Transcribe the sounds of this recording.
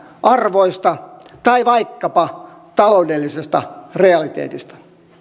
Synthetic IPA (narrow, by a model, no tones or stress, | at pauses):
ʔɑrʋoist̪ɑt̪ɑiʋɑikːɑpɑ | t̪ɑloudelːisest̪ɑ̰reɑlit̪ḛːt̪ist̪æ̥